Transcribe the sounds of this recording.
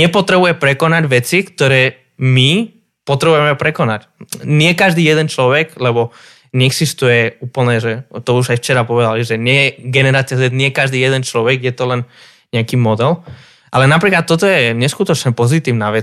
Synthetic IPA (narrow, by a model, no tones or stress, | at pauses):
ɲɛpɔt̪ɾɛbujɛpɾɛkɔnaɟʋɛt͡sikt̪ɔɾɛː | mi | pɔt̪ɾɛbujɛmɛpɾɛkɔnac | ɲɪɛkaʒd̪iːjɛd̪ɛnt͡ʃlɔʋɛɡlɛbɔ | ɲɛɛɡsist̪ujɛuːpl̩ɲɛʒɛt̪ɔuʒajft͡ʃɛɾapɔʋɛd̪aliʒɛɲɪɛjɛɡɛnɛɾaːt͡sɪazɛd̪ɲɪɛkaʒd̪iːjɛd̪ɛnt͡ʃlɔʋɛɡjɛt̪ɔlɛn | ɲɛakiːmɔd̪ɛl | ʔalɛnapɾiːklat̪ːɔt̪ɔjɛɲɛskut̪ɔt͡ʃɲɛpɔzit̪iːʊnaʋɛ